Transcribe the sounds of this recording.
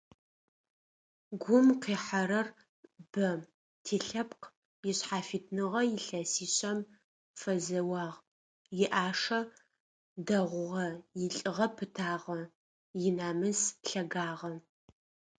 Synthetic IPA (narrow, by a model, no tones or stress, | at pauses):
ɡʷʊmqiːħaɾɐr | b̥ɐ | tʰeːɬɐpq | jɪɕħaːfiːtʰnɨʁɐjɪɬɐsiːɕʼɐm | fɐzɐwɑːʁ | jɪʔaːʂɐ | dɐʁʷʊʁɐjɪɬʼɨʁɐpʰɨtʰaːʁɐ | jɪnaːmɨzɬɐɡaːʁɐ